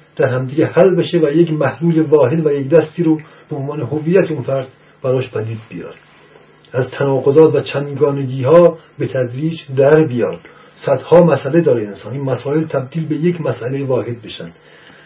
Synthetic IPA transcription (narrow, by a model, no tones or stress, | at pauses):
d̪̥æɾhæmd̪iɡehælbeʃevæjecmæhluːlevɒːɦed̪væjecd̪æst̪iːɾo | b̥eonvɒːne̞ɦoviːjːæt̪ʰeunfæɾd̪ | b̥æɾɒːʃpʰæd̪iːd̪̚bijɒ̰ːɾ | ʔæzt̪ʰænɒːɡozɒːt̪væt͡ʃʰænd̪ɡɒːneɡiːhɒː | bet̪ʰæd̪ɾiːd͡ʒd̪æɾbijɒːɾd̪̥ | sæd̪hɒːmæsʔæled̪ɒːɾeensɒːniːnmæsɒːelt̪ʰæb̚d̪iːlbe̞jecʰmæsʔælejvɒːhe̞d̪̚be̞ʃænd̪̥